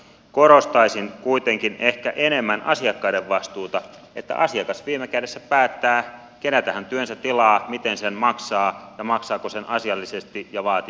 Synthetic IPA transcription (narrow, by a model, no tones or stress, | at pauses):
koɾost̪ɑisiŋkuit̪eŋkinehkæʔene̞mːænʔɑ̰siɑkːɑideʋːɑst̪uːt̪ɑ | et̪ːæ̰ʔɑsiɑkɑsʋiːmekædesːæpæːt̪ːæː | kenæt̪æhænt̪yønsæt̪ːilɑːmit̪ensenmɑksɑːjɑmɑksɑːkosenʔɑsiɑlːisest̪ijɑʋɑːt̪i